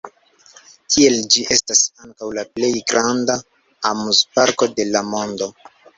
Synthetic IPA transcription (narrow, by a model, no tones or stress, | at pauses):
kʰie̞ld͡ʒiʔe̞stasaŋkawlaple̞jɡɾanda | amuzpaɾko̞de̞lamo̞ndo̞